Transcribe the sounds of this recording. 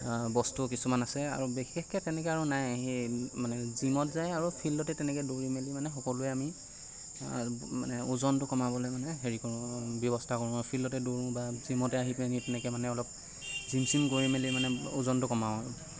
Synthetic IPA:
bɔstukisumanasɛa̰ɹubexɛxkɛtɛnɛkɛaɹunajɦemanɛzimɔtzajaɹupʰilɔtɛtɛnɛkɛdoɹimelimanɛxɔkɔlʊɛami | ma̰nɛuzɔntʊkɔmabɔlɔmanɛɦeɹikɔɹʊ̃bjɔbɔstʰakoɹũmɔjpʰilɔtɛdoɹũbazimɔtɛaɦipenitɛnɛkɛmanɛɔlɔp̚ | zimsimkoɹimelimanɛuzɔntʊkɔmaʊaɹu

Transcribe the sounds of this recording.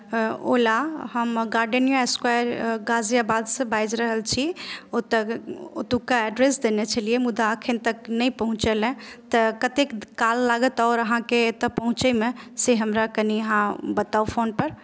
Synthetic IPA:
o̰lahəmɡaɾɖənijaeskwajəɾɡad͡ʒjabad̪sə̃bajd͡ʒɾəɦəlt͡ʃʰiot̪əo̰t̪ukaɛɖɾesd̪enet͡ʃʰəlijemud̪aəkʰənt̪əknəpəɦũt͡ʃelɛ̃t̪əkət̪ekːalːaɡət̪ɔʊɾəɦãket̪əpəɦũt͡ʃɛmeseɦəmɾakəniəɦãbət̪aupʰonpəɾ

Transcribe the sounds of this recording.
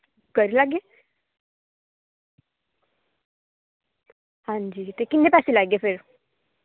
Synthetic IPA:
kəɾilaɡe | hãɲd͡ʑiːt̪ekinnepasilaɡefeɾ

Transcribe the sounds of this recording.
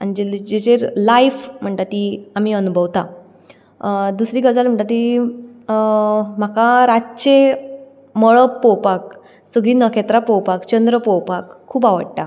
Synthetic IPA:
anid͡ʑed͡ʑet͡ɕeɾlajfm̤əɳt̪at̪iam̤iːənubʱəʋt̪a | d̪usɾiːɡəd͡zalm̤əɳt̪at̪̬i | m̤akaɾat͡ɕe | mɔɭəpːɔwpak̚ | səɡɭiːnəkʰet̪ɾapɔwpakt͡ɕənd̪ɾəpɔwpakʰːuːpaʋə̰ɽʈ̪a

